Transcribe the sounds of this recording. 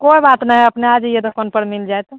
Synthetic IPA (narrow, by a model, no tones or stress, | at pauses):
koibat̪naɦəpnead͡ʒjed̪əkʰənpəɾmild͡ʒajt̪